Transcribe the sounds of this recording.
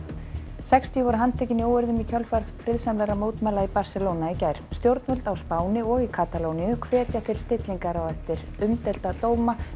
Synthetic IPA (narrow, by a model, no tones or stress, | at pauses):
sɛkst̪iʏvɔɾʏɦant̪ʰɛːcɪnioːwʏɾðʏmic̪ʰœlfaɾfɾɪðsamlɛɾamoːwt̪mɛlaipaɾ̥sɛlownaicajɾ̥st̪jowɾt̪vœlt̪awspaːwnɪɔɣikʰat̪alownijʏkʰvɛːt̪jat̪ʰɪlst̪ɪt̪liŋkaɾawɛft̪ɪɾ | ʏmt̪ɛlt̪at̪oːwma